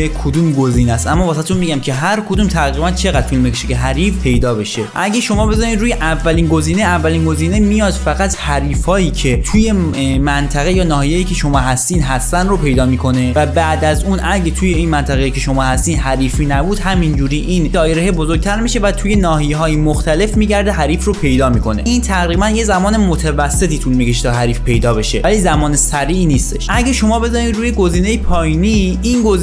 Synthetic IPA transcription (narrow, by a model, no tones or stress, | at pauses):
ekʰod̪uːmɡo̞ziːnæst̪ʔæmːɒːvɒːsæt̪eunmiɟæmkʰe̞ɦæɾkʰo̞d̪uːmt̪ʰæɣibænt͡ʃʰe̞ɣæd̪̥filmekʰeʃece̞ɦæɾiːfpʰe̞jd̪ɒːbe̞ʃe̞ʔæɟæʃo̞mɒːbe̞zɒːnid̪ɾuːjeʔævːæliːnɡo̞ziːneævːæliːnɡo̞ziːnemijɒːd̪fæɣæt̪hæɾiːfɒːiːcʰe̞t̪ʰuːje̞ | mænt̪ʰæɣejɒːnɒːhijejiːcʰe̞ʃo̞mɒːɦæst̪iːnd̪ɦæst̪ænd̪ɾopʰe̞jd̪ɒːmiːkʰo̞ne̞væbæːd̪æzuːnʔæɾɟet̪ʰuje̞iːnmænt̪ʰæɣejiːcʰe̞ʃo̞mɒːhæst̪iːd̪ɦæɾiːfiːnæbuːd̪̥hæmind͡ʒuːɾiːʔiːnd̪ɒːjeɾeɦebo̞zoɾɡ̚t̪ʰæɾmiʃe̞væt̪ʰuːje̞nɒːɦijeɦɒːjimoxt̪ʰæle̞fmiːɟæɾd̪eɦæɾiːfropʰe̞jd̪ɒːmiːko̞ne̞iːnt̪ʰæɣɾiːbænje̞zæmɒːne̞mot̪ʰevæsːe̞t̪ʰiːt̪ʰuːnmikʰeʃi̥t̪ʰɒːɦæɾiːfpʰe̞jd̪ɒːbe̞ʃe̞̰væliːzæmɒːnesæɾiːiːniːst̪e̞ʃʃʔæɟæʃo̞mɒːbe̞zɒːɾiːd̪ɾuːjeɡo̞ziːne̞jepʰɒːjiːni | inɡoz